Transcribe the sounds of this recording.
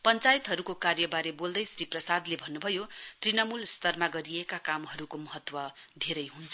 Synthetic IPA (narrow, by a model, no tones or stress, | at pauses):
pʌnt͡sajit̪ɦʌɾukokarjʌbaɾebold̪ʌjsriprʌsad̪lebʱʌnːubʱʌjot̪rinʌmulst̪ʌrmaɡʌɾiekakamɦʌɾukomʌɦʌt̪wʌd̪ʱeɾʌjɦunt͡sʰʌ